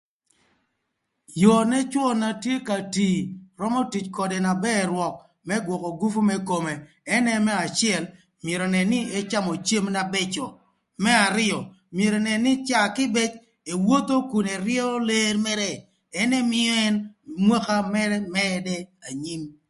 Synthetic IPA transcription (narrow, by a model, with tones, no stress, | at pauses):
jɔ˨nɛ˦t͡ʃwɔ˦na˨tje˦ka˨ti˨ɾɔ˦mɔ˦ti˨t͡ʃkɔ˨de˨na˨bɛ˦˨ɾwɔ˨k̚ | mɛ˦ɡwɔ˨kɔ˨ɡu˦fu˦mɛ˦ko˨me˨ | ɛ˦nɛ˦mɛ˦a˨t͡ʃɪɛ˨l | mje˨ɾo˨nɛ˨nɪ˦ɛ˦t͡ʃa˦mo˨t͡ʃe˦mna˨bɛ˦t͡ʃɔ˨ | mɛ˦a˨ɾɪ˦ɔ˨ | mje˨ɾɔ˨nɛ˨nɪ˦t͡ʃa˦kɪ˦bɛ˦t͡ʃ | e˨wo˦t̪o˦ku˨ne˨ɾjo˦le˦ɾmɛ˦ɾɛ˦ | ɛ˦ne˦mɪ˦ɔ˦ɛ˦nmwɛ˦ka˦mɛ˦ɾɛ˦mɛ˦dɛ˦a˨ɲi˦m